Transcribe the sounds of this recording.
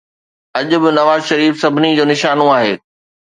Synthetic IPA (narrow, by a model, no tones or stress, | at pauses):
ɐʄʊ̆bɪnɐʋaːzʃɐɾiːfsɐbʱɪnid͡ʑoːnɪʃaːnoaːɦḛː